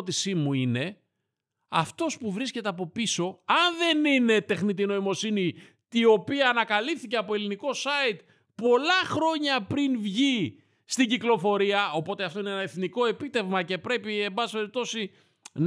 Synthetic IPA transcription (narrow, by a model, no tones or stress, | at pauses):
t̪isimuine̞ | ɐft̪o̞spuvɾisce̞t̪eɐpo̞piso̞ɐnðe̞nine̞t̪e̞xnit̪̬ino̞imo̞sini | t̪io̞piɐːnɐkɐlipθice̞ɐpo̞e̞liniko̞sɐit̪̚ | po̞lɐxɾo̞ɲɐpɾinvʝi | st̪iɟiklo̞fo̞ɾiɐo̞po̞t̪e̞ɐft̪o̞ineenɐe̞θniko̞e̞pit̪e̞vmɐce̞pɾe̞pie̞mbɐsi̥pe̞ɾip̚t̪o̞si | n